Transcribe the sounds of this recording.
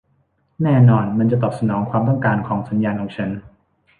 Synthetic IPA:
nɛː˥˩nɔː˧nma˧nt͡ɕa˨˩t̪ɔː˨˩p̚sa˧nɔː˩˦ŋkʰwaː˧mt̪̬ɔ˥˩ŋkaː˧nkʰɔː˩˦ŋsa˩˦njaː˧nkʰɔː˩˦ŋt͡ɕʰa˦˥n

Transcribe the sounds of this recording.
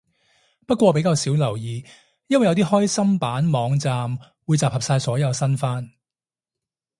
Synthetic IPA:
pɐ˥t̚kʷɔː˧pe˨˧˥jkaː˧wsiː˨˥wlɐ˨˩wjiː˨˧ | jɐ˥nwɐ˩jɐ˨˧wt̪iː˥hɔː˥jsɐ˥mpaː˨˥nmɔː˨˧ŋt͡saː˨˧m | wuː˨˧jt͡saː˨˩phɐ˨p̚saː˧jsɔː˨˥jɐ˨˧wsɐ˥nfaː˥n

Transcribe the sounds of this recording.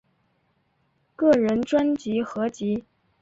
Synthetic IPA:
kɤ˥˩ɻə˧˥nʈ͡ʂwa˥nt͡ɕi˧˥xɤ˧˥t͡ɕi˧˥

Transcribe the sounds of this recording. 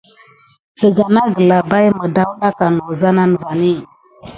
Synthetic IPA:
t͡sə˨ɡa˨na˦ɡə˨la˨ba˦jmə˨da˦wna˦ka˨nu˨za˦na˦nə˨va˨ni˦˨

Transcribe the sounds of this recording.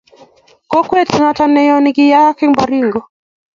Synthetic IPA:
kɔ˦kwɛ˦ta˨natanɛjɔniɡi˦ja˦ki˦ŋbaɾiŋɡɔ˨

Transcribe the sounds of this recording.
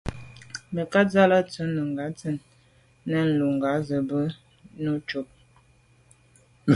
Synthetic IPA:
mə˨ka˦d͡za˦la˦t͡sə˨˦nːə˨ŋɡa˨˦t͡sə˨˦nː | ə˦n̩˨lu˨ŋ˨ɡa˨˦zə˨bə˦ | nu˦t͡ʃo˦p̚

